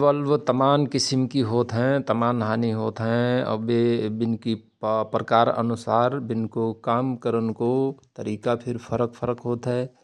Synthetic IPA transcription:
ʋəlʋt̪ɐmaːnkɪsɪmkiɦoːt̪ɦɛ̃t̪ɐmaːnɦaːniɦoːt̪ɦɛ̃ɐ̰bebɪnki | pɾəkaːɾə̰nʊsaːɾbɪnkokaːmkəɾənkot̪əɾiːkapʰɪɾpʰəɾəkpʰəɾəkɦoːt̪ɦɛː

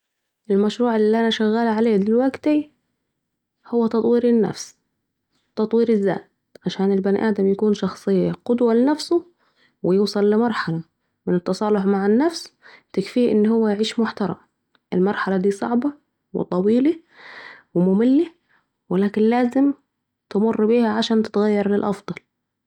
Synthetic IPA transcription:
ʔɪlmaʃɾuːʕɪlːiʔanaʃaɣːaːlʕaleːd̪ɪlwaɡt̪i | hʊwːat̪ɑt̪ˤwiːɾɪnːa̰fs | t̪ɑt̪ˤwiːɾɪzːa̰ːt̪ | ʕaʃaːnɪlbanʔaːd̪amjakuːnʃɑxsˤɨjːaqʊd̪walɪnafsʊ | wɪjuːsˤɑlːɪmɑɾˤħala | mɪnɪt̪ːɑsˤɑːlʊħmaʕɪnːafst̪ɪkfiːʔɪnːhʊwːæjʕiːʃmʊħt̪ɑɾˤɑ̰m | ʔɪlmɑɾˤħalad̪iːsˤɑ̰ʕbɑ | wɪ̰t̪ˤɑwiːli | wɪmʊmɪlːi | wɪlaːkɪnlaːzɪm | t̪ɪmʊrːbiːhæʕaʃaːnt̪ɪ̥t̪ɣajːɑɾˤlɪlʔɑfd̪ˤɑl

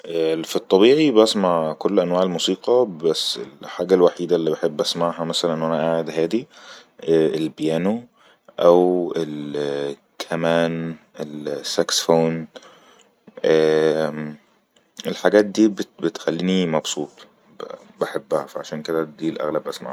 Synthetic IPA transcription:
ʔæfit̪ˤːɑbiːʕibʔæsmaʕkolːʔænwaːʕelmusiːqɑbæsːḛlħaːɡælwaħiːd̪ælːiːbeħebːʔæsmaʕɦæmæsælænʔnʔænæʔaːʕed̪ɦæːd̪iʔæelbjæːno | ʔæwel | kʰæmæːnʔelsːæksfoːn | ʔæː | ʔelħaɡæːt̪̚d̪iːbbet̪xælːiːnimɑbsˤuːt̪ˤ | baħebːæhæ̰fæʕaʃæːnked̪æd̪iːlʔæ̰ɣlæbːʔæsmaʕ

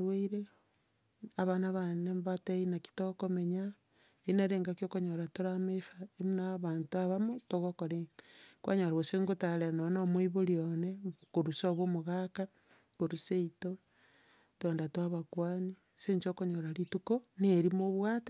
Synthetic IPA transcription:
ɾweiɾe | aβanaβanembateinaki̥tokomeɲa | enaɾeːŋɡakjokoɲoɾatoɾamefaemunaβantuaβamotoɣokoɾekwʔa̰ɲoɾaɣoseŋɡotaɾenonomoiβoɾionekoɾusoβomoɣaka | koɾuseito | twendatwaβakwani | seɲt͡ʃokoɲoɾaɾitukoneɾimoβwaːte

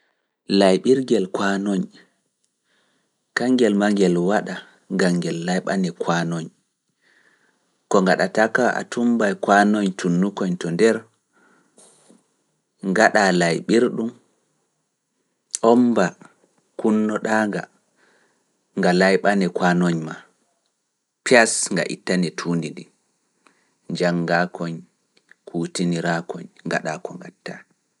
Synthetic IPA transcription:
lajɓiɾɡɛlkwanoɲ | kaŋɡɛlmaŋɡɛlwaɗa | ŋɡaŋɡɛlːajɓanɛkʰwanɔɲ | kɔŋɡaɗatakaʔa̰tumbajkwanɔɲtʰunːukɔɲtɔndɛɾ | ŋɡaɗalajɓiɾɗum | ʔɔmba | kunːɔɗaːŋɡa | ŋɡalajɓanɛkwanɔɲma | piasŋɡa̰ʔḭtːanɛtʰuːndidi | d͡ʒaŋɡakʰɔɲ | kʰuːtiniɾakɔɲŋɡa̰ɗakɔŋɡatːa

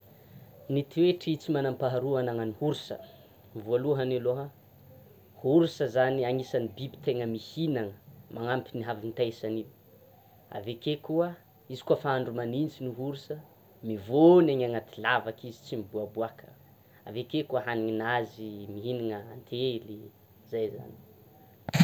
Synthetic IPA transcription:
nit̪ieʈ͡ʂit͡simanampaɦaɾuanaŋənihuɾusə̰ | vualuɦaniloɦə | huɾusəzaniaŋisanibibi̥t̪eŋəmihinaŋəmaŋampiniɦavint̪asanib | a̰vekekuə | izi̥kuəfaaɳɖ͡ʐumanint͡siniɦuɾusə | mivoneŋaŋat̪ilavakizit͡simibuabuakʰə̥ | a̰vekekuəɦaniŋinazimiɦiniŋəant̪ʰeli | zajza̰ni

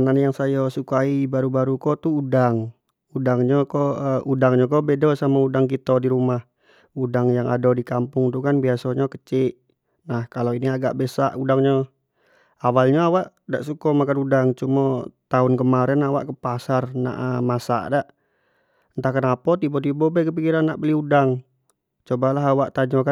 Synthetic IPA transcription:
nanjaŋsajɔsukaibaɾubaɾukɔt̪uːdaŋ | udaŋɲɔkɔudaŋɲɔkɔbedɔsamaudaŋkit̪ɔdiɾumah | udaŋjaŋa̰dɔdikampʊŋt̪ukanbiasoɲakə̥t͡ʃɪʔ | nahkaloiniaɡa̰ʔbesaʔudaŋɲɔ | awalɲaawaʔ | da̰ʔsukɔmakanudaŋt͡ʃumɔt̪aʊnkəmaɾɛnawa̰ʔkəpasarna̰ʔmasa̰ʔdaʔ | nt̪akanapɔt̪ibɔt̪̬ibɔbɛkəp̬ikiɾanːaʔbəliudaŋ | t͡ʃobalaɦawaʔt̪ad͡ʒoka

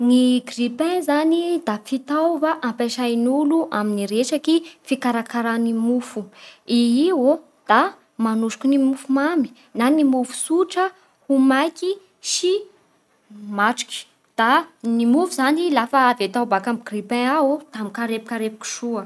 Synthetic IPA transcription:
niɡripɛ̃zanid̪afit̪awvaʔampaʃainuluʔaminiɾeʃakifikaɾakaɾanimufuiiwo | d̪̥a | manuʃu̥kʲunimufumami̥ | nanimufu̥suʈ͡ʂə | humajki | ʃi | maʈ͡ʂi̥ki̥ | d̪̥animufuzanilafaːvet̪awbakamɡripɛ̃aot̪amikaɾepi̥kaɾepi̥ki̥ʃuə

